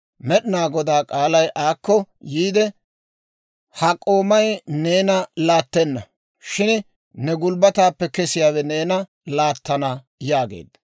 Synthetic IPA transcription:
mɛɗɪnaːɡɔd̪aːkʼaːlɐjʔaːkːɔjiːd̪ɛ | hɐkʼːo̞ːmɐjne̞ːnɐlaːt̪ːɛnːɐ | ʃɪn | nɛɡʊlbɐt̪aːpːɛkɛsɪjaːwɛne̞ːnɐ | laːt̪ːɐna | jaːɡḛːd̪ːɐ

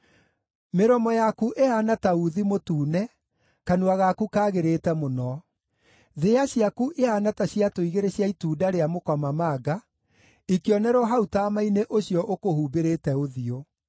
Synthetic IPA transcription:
meɾɔmɔjakuʔeanatauðimotuːnɛ | kanuaɣakukaːɣeɾetɛmonɔ | ðeaɕjakuʔeanataɕiatoiɣeɾeɕjaituːdaɾeamokamamaːɡa | ikeɔnɛɾɔɦautaːmaineʔoɕjɔʔokohuːbeɾetɛoðio

